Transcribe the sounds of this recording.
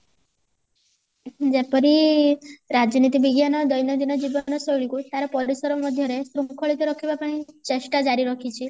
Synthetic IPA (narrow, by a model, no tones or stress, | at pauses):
d͡ʒepəɾi | ɾad͡ʒnit̪ibiɡjanɔd̪ɔjnɔd̪inɔd͡ʒiʋɔnɔsɔɭikut̪aɾɔpɔɾisɔɾɔmɔd̪ʱjɔɾesɾukʰɔɭit̪ɔɾɔkʰibapaɽ̃it͡ʃeʃʈad͡ʒaɾiɾɔkʰit͡ʃʰi